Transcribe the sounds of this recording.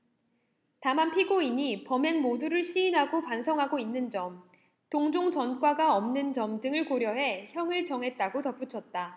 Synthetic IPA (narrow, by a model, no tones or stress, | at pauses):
tamanpʰiɡoiɲipʌme̞ŋmoduɾɯɭɕʰiːnɦaɡopansʰʌŋɦaɡoinːɯnd͡ʑʌm | toŋd͡ʑoŋt͡ɕʌnk͈waɡaʌmnɯnd͡ʑʌmdɯŋɯɭkoɾjʌɦe̞çjʌŋɯɭt͡ɕʌŋɦe̞t̚t͈aɡotʌp͈ut͡ɕʰʌt̚t͈a